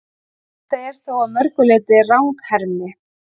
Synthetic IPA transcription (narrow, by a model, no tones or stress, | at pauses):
θaðɛɾ̥θowamœɾ̥kʏlɛt̪ɪrawŋkhɛɾmɪ